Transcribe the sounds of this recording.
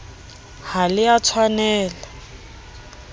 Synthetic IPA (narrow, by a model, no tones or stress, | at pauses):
halɪat͡sʰwanɛːla